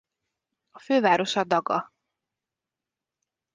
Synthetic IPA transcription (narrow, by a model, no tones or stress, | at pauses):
ɒføːvaːɾo̞ʃɒd̪ɒɡɒ̰